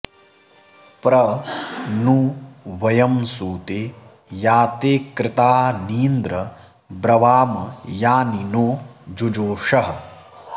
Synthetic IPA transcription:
pɾɐ | nuʋɐjɐmsuːt̪eː | jaːt̪eːkɾɪt̪aːniːnd̪ɾɐ | bɾɐʋaːmɐjaːninoːd͡ʒud͡ʒoːʂɐɦɐ

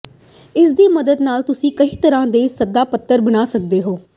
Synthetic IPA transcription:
ɪsd̪iːməd̪əd̪naːlt̪ʊsĩːkəiːt̪əɾãːd̪eːsəd̪aːpət̪ːəɾbənaːsək̚d̪eːɦoː

